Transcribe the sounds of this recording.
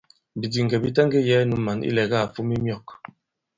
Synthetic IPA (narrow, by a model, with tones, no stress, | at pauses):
bi˨di˨ŋ˨ɡɛ˨bi˦tɛ˦ŋɡe˦jɛ˦nu˨˦mːa˨nḭ˦lɛ˨ɣa˦˨fu˦mi˦mjɔ˦˨k